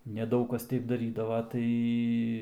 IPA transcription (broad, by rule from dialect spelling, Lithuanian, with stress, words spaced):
nʲɛˈdɐʊk kɐs ˈtʲɛɪp dɐˈrʲiːdɐʋɐ ˈtɐɪ